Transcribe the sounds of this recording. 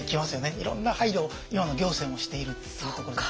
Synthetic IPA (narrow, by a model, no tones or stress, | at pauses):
kʲimasɨjo̞neiɾõ̞̰nːahaiɾo | imano̞ɡʲo̞ːse̞ːmo̞ɕi̥t̪e̞iɾɯ̟ | sokokoɾo